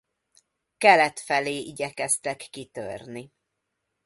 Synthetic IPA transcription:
kɛlɛt̪fɛleːʔiɟɛkɛst̪ɛkːit̪ø̰rni

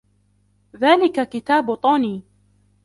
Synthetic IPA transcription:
ðaːlɪkakɪt̪aːbʊt̪ˤoːniː

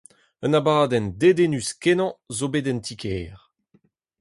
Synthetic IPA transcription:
ənabaːdɛnd̪ed̪enyskenɑ̃zobedɛnt̪ʰikʰɛːʁ

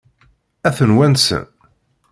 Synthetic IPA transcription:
æθənwænsə̰n

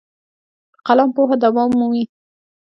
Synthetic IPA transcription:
qalɑmpoɦad̪awɑmːuwi

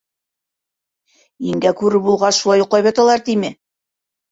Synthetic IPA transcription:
iŋɡækʉɾɘbulˠʁɑsʃulˠɑjuqlɑjβæt̪ɑlˠɑɾt̪imɘ

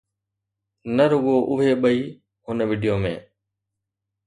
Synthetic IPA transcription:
nəɾʊɠoːʔʊɦeːɓəiː | ɦʊnʋiːɖijoːmḛ̃ː

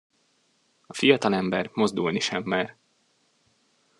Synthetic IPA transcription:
ɒfijɒt̪ɒlɛmbɛrmo̞zd̪ulniʃɛmːaːr

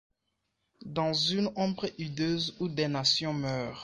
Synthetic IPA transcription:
d̪ɑ̃zynɔ̃bʁʔyd̪øzud̪ɛnasjɔ̃mœːʁ

